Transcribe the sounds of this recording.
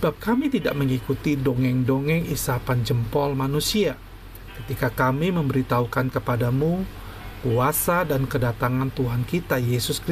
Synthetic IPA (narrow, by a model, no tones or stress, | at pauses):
səbap̚kamit̪ida̰ʔməŋikut̪idoŋɛŋdoŋɛŋisapand͡ʒəmpɔlmanusia | kə̥t̪ikakamiməmbəɾit̪aukankəpadamu | kuasadankədat̪aŋant̪uɦankit̪ajesʊskɾi